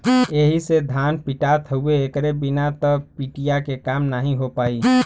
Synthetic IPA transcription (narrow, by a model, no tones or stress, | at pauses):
eɦised̪ʱanpiʈat̪ɦəueːkɾebinat̪ɔpiʈijakekamnaɦĩɦopaːi